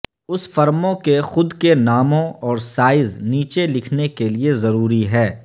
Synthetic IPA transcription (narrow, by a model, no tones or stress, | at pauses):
ʊsfɐɾmõkexʊd̪kenaːmõɔːɾsaːɪzniːt͡ʃelɪkʰnekeliezɐɾuːɾiɦɛː